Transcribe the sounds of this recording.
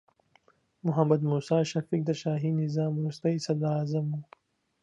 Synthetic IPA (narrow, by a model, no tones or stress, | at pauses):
muɦɐmːɐd̪muːsaːʃɐfiːk̚d̪ɐʃaːɦiːnizaːmuːst̪ɐisɐd̪aːzɐmuː